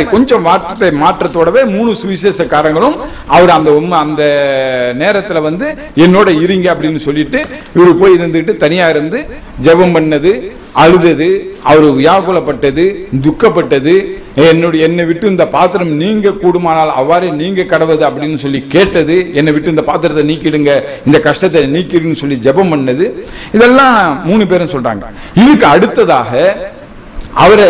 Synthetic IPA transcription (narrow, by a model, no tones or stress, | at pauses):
ɪkɔɲd͡ʒɐ̃ʋaːʈːɐt̪ːɐɪmaːʈrɾɐt̪ːoːɽɐʋeːmuːnɯsʋiːsesɐkːaːɾɐŋɡɐɭɯm | ɐʋɐɾɯɐnd̪ɐɔmːɐɐnd̪ɐneːɾɐt̪ːɪlɐʋɐnd̪ɯ | ɛnːoːɽɐɪɾɯŋɡɐɐpːɐɽɪnːɯsɔlːɪʈːɯ | ɪʋɐɾɯpoːjɪɾɯnd̪ɯkɪʈːɯt̪ɐnɪjaːɪɾɯnd̪ɯ | d͡ʒɛʋɐmpɐɳːɐðɯ | ɐɻɯðɐðɯɐʋɐɾɯʋɪjaːʋɐkːɔlɐpːɐʈːɐðɯd̪ʊkːɐpːɐʈːɐðɯ | ɛnːɔɽɐɛnːɐʋɪʈːɯɪnd̪ɐpaːt̪ɯɾɐmniːŋɡɐkːuːɽɯmaːnaːlɐ̰ʋːaːɾeniːŋɡɐkːɐɽɐʋɐðɯɐpːɐɽɪnːɯsɔlːikeːʈːɐðɯɛnːɐʋɪʈːɯɪnd̪ɐpaːt̪ːɯɾɐt̪ːɐniːkːɪɽɯŋɡɐɪnd̪ɐkɐʂʈɐt̪ːɐniːkːɪɾɯnːɯsɔlːid͡ʒɛbɐmpɐɳːɐðɯ | ɪðɛlːãːmuːɳɯp̬eːɾɐnsɔlra̰ːŋɡɐɪðɯkːɯɐɽɯt̪ːɐðaːɣɐ | ɐʋɐɾ